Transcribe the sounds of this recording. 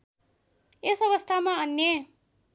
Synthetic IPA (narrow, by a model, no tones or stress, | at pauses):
esʌβʌst̪ʰamaʌnːje